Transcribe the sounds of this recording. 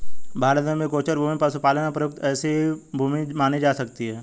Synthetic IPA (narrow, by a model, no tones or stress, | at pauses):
bʱaːɾt̪ẽmẽkoːt͡ʃəɾbʱuːmipɐsupaːlənapɾəjʊk̚t̪ɛːsebʱuːmimaːnid͡ʒaːsɐkt̪iɦɛː